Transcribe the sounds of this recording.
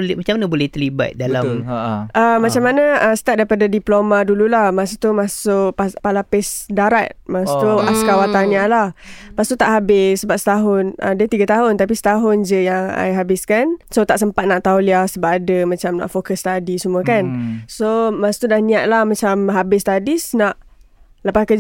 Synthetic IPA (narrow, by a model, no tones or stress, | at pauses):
lmat͡ʃamanabolɛht̪ərliba̰t̪̚dalamʔəmat͡ʃamanaəsə̥t̪at̪̚daipadadiplomadululahmas̬ut̪umasʊʔapalapɛsdaɾat̪̚masut̪uaskawat̪anialahpast̪ut̪aʔɦabɪsːəbap̚sə̥t̪aɦʊnʔa̰dət̪iɡat̪aɦʊnt̪ap̬isə̥t̪aɦʊnd͡ʒəjaŋa̰jɦabɪskansot̪aʔsəmpat̪̚naʔt̪auliahsəbapadəmãt͡ʃamna̰ʔfokəst̪adisəmuəkansomasu̥t̪udahnĩaʔ̪̚lahmat͡ʃamɦabɪst̪adisnaʔ | ləpaskə